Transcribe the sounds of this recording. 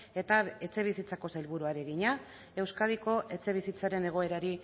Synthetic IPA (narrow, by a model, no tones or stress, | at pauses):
e̞t̪ae̞t͡se̞β̞isit͡sako̞sajlβ̞uɾuaɾeɣiɲa | e̞wskað̞iko̞ʔe̞t͡se̞β̞isit͡saɾe̞ne̞ɣ̞o̞e̞ɾaɾi